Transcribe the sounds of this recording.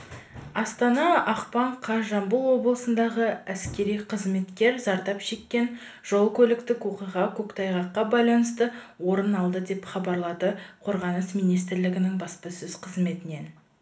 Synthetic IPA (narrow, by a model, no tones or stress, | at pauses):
ɑst̪ɑnɑɑqpɑɴqʰɑʒɑmbulˠwo̞blˠəsənd̪ɑʁəæskʲe̞ɾijqʰəzme̞t̪kʲe̞ɾzɑɾt̪ɑpʃe̞kʲːe̞n | ʒ̥o̞lˠkʲʰɵlɪkt̪ɪkwo̞qijʁɑkʲʰɵkt̪ʰɑjʁɑqːɑbɑjlˠɑnəst̪əwo̞ɾənɑlˠd̪əd̪e̞pχɑbɑɾlˠɑd̪əqʰo̞ɾʁɑnəsmijnijst̪ɪɾlɪɡʲɪnɪŋbɑspəsɵz̥qʰəzme̞t̪ɪne̞n